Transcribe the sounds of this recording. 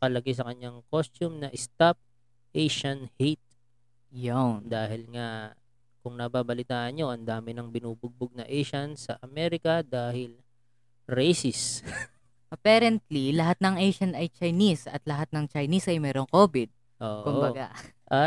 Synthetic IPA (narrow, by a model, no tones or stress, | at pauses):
kɐlɐɡɪs̬ɐkɐɲaŋkost̪umnɐʔɪst̪ap̚ | ʔejʃɐnhet̪̚ | joŋd̪aːhɪlŋa | kʊŋnɐbaːbɐlɪt̪aːʔɐnɲo̞ʔɐnd̪aːmɪnɐŋbɪnuːbʊɡ̚bʊɡ̚nɐʔɛjʃɐnsɐʔɐmɛɾɪkɐd̪aːhɪl | ɾɛjsɪs | ʔɐpaːɾɛnt̪lilɐɦat̪̚nɐŋʔɛjʃɐnɐjt͡ʃɐjnisɐ̰t̪lɐɦat̪̚nɐŋt͡ʃɐjnisɐjmɛːɾo̞ŋkoːbɪd̪̚ | ʔoːʔkʊmbɐɡaʔʔɐ